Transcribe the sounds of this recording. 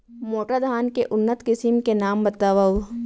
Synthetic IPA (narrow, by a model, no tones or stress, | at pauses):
moːʈad̪ʱaːnkeʔʊnːət̪kɪsimkenaːmbɐt̪aːʋaɦu